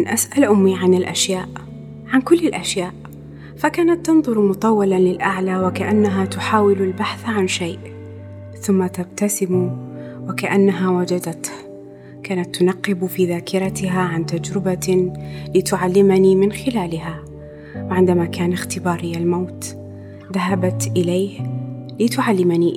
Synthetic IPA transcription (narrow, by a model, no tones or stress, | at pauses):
ʔanʔasʔalʔʊmːiʕanɪlʔa̰ʃjaːʔ | ʕankʊlːɪlʔaʃjaːʔ | fakaːnat̪ːɑnðˤʊɾmʊt̪ˤɑwːɑlalɪlʔaʕlawɪkaʔanːaɦat̪ʊħaːwɪlalbaħθʕanʃajʔ | θʊmːat̪ab̚t̪asɪmu | wɪkaʔanːaɦawad͡ʒad̪at̪h | kaːnat̪ːʊnɑqːɪbfiːðaːkɪɾˤɑt̪ɪɦaʕant̪ad͡ʒɾɪba | lɪt̪ʊʕalːɪmanimɪnxɪlaːlɪɦa | wɪʕɪnd̪amakaːnɪxt̪ɪbɑːɾˤɪjːalmawt̪ | ðaɦabat̪ʔɪlajhlɪt̪ʊʕalːɪmani